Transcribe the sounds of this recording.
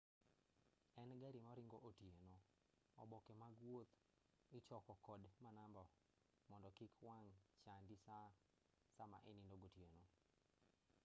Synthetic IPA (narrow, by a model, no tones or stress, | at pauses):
ɛnɡaɾimɔɾɪŋɡoʔotjeno | ɔ̰bɔkemaɡwot̪ | ɪt͡ʃɔkɔkɔdmanambɔ | mɔndɔkɪkwaŋt͡ʃandisa | sama̰ʔḛnindoɡotjeno